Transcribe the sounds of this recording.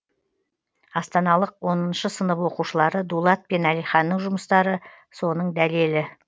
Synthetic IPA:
ɑst̪ɑnɑlˠəqwo̞nənʃəsənəpwo̞quʃəlˠɑɾəd̪ulˠɑt̪̚pe̞nælijχɑnːəɴʒʊməst̪ɑɾə | so̞nəɴd̪ælelɪ

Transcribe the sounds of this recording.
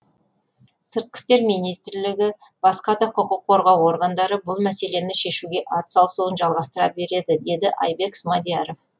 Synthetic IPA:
səɾt̪̚qə̥st̪e̞ɾmijnijst̪ɾlɪɡʲɪ | b̥ɑsqɑd̪ɑqʰʊqəqʰːo̞ɾʁɑwo̞ɾɡənd̪ɑɾəbʊlˠmæse̞le̞nɪʃe̞ʃuɡʲe̞ʔɑt̪sɑlˠsuənʒɑlˠʁɑst̪əɾɑbe̞ɾe̞d̪ɪd̪e̞d̪ɪʔɑ̰jbe̞ksmad̪ijaɾo̞f

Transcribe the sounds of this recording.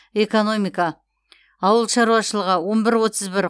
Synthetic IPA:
e̞ko̞no̞mijka | ɑwəlˠʃɑɾuɑʃəlˠəʁəwo̞nbɪɾwo̞t̪əzbɪɾ

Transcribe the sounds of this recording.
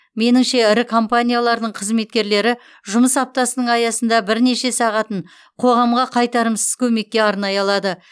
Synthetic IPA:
me̞nɪŋʃe̞ɪɾɪkʰo̞mpanʲijalˠɑɾd̪əɴqʰəzme̞t̪kʲe̞ɾle̞ɾɪ | ʒʊməsɑp̚t̪ɑsənəɴɑjɑsənd̪ɑbɪɾne̞ʃe̞sɑʁɑt̪əɴ | qʰo̞ʁɑmʁɑqʰɑjt̪ɑɾəmsəz̥kʲʰɵme̞k̚ʲːe̞ɑɾnɑjɑlˠɑd̪ə

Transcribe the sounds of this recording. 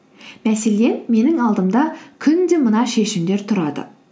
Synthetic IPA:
mæse̞le̞nme̞nɪŋɑlˠd̪əmd̪ɑkʲʰʏnd̪e̞mənɑʃe̞ʃɪmd̪e̞ɾt̪ʰʊɾɑd̪ə̰

